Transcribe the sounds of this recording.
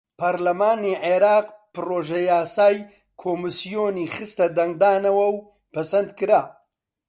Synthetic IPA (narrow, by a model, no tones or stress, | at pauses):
pʰɐɾlɐmaːniʕeɾaːqpɨɾoːʒɐjaːsaːj | kʰoːmɨsijoːnixɨst̪ɐd̪ɐŋɡ̚d̪aːnɐwɐw | pɐsɐnd̪kɨɾa